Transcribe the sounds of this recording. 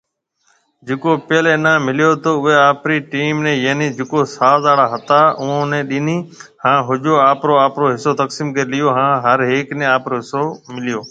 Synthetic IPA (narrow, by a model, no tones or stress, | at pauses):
d͡ʒɪkoːpeːlẽːnãːmɪlɪjoːt̪oːʊɦeːaːpɾiːʈiːmnẽːjəːniːd͡ʒɪkoːsaːzaːɽaːɦət̪aːʊõːnẽːɗɪniːhãːɦʊd͡ʒoːaːpɾoːaːpɾoːɦɪsoːt̪əksiːmkeɾlɪjoːɦãːɦəɾɦeːknẽːaːpɾoːɦɪsoːmɪlɪjoː